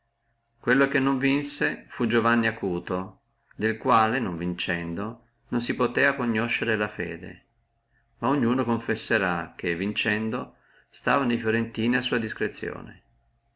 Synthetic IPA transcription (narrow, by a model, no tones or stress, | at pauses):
kwelːokenːoɱvinsefud͡ʒovanːiakuːt̪o | d̪elkwaːlenoɱvint͡ʃɛnd̪o | nonsipot̪ɛːakoɲːoʃːeɾelafɛ̰ːd̪ḛ | maoɲːuːnokoɱfesːeɾak̟ːevint͡ʃɛnd̪o | st̪aːvanejfjoɾent̪iːniasːuːad̪iskɾet̪sːjo̰ːnḛ